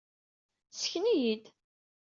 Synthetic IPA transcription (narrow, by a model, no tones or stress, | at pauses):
sçnijid̪